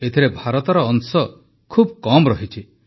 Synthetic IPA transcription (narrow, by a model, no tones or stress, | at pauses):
et̪ʰiɾebʱaɾɔt̪ɔɾɔːŋsɔ | kʰubkɔmɾɔɦit͡ʃʰi